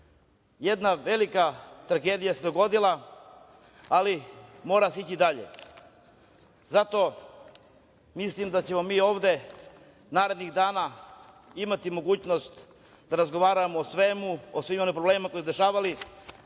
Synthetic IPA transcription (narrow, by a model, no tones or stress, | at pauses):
jed̪naʋelikat̪ɾaɡeːd̪ijased̪o̞ɡo̞d̪ilˠa | alimo̞ːɾaseit͡ɕid̪aʎḛ | zat̪o̞ | mislimd̪at͡ɕe̞mo̞miːo̞ːʋd̪e̞ | naːɾe̞d̪niɣd̪aːna | imat̪imo̞ɡuːt͡ɕno̞st̪ | d̪aɾazɡo̞ʋaːɾamoosʋemuosʋiːmo̞nimpɾobleːmimako̞isud̪e̞ʃaːʋali